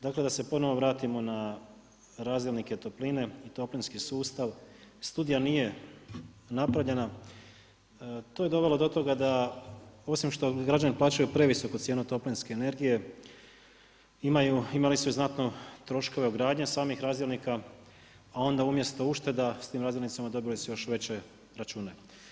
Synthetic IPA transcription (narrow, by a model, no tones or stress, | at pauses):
d̪akle̞d̪ase̞po̞no̞ʋoʋɾaːt̪imo̞na | ɾaːzd̪jelnike̞t̪o̞pline̞it̪o̞plinskisuːst̪aʋst̪ud̪ijanije̞ | napɾaʋʎe̞na | t̪o̞ːje̞d̪o̞ʋe̞lod̪o̞t̪o̞ɡad̪a | o̞simʃt̪o̞ɡɾad͡ʒaniplˠaːt͡ɕujupɾe̞ʋiso̞kut̪sjeːnut̪o̞plinske̞ːne̞ɾɡije̞ | imajuimalisuznat̪no̞t̪ɾo̞ʃko̞ʋeoɡɾaːd̪ɲesaːmixɾaːzd̪jelnikaː | o̞nd̪aumje̞st̪o̞uʃt̪e̞d̪ast̪iːmɾaːzjelnit̪samad̪o̞bilisujo̞ʃʋe̞t͡ɕe̞ | ɾat͡ʃuːne̞